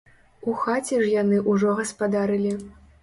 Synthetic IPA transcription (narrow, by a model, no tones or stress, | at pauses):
uxat͡sʲɛʐjanɨʔuʐɔɣɐspad̪aɾɨlʲi